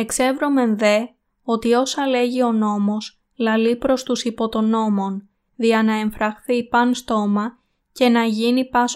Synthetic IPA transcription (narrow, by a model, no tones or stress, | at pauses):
e̞kse̞vɾo̞me̞nðe̞ | o̞t̪io̞sɐle̞ʝio̞no̞mo̞s | lɐlipɾo̞st̪usipo̞t̪o̞no̞mo̞n | ðiɐnɐe̞ɱfɾɐxθipɐnst̪o̞mɐ | ce̞nɐʝinipɐs